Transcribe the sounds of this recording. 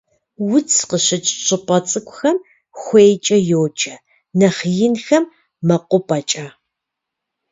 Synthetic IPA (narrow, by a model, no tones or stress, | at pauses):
wʊt͡sʰqəɕɪt͡ʃʼɕɨpʼɐt͡sʼɨkʷʼxɐm | xʷejt͡ʃʼɐjoːt͡ʃʼɐ | nɐχjɪnxɐmː | ɐqʷʊpʼɐt͡ʃʼaː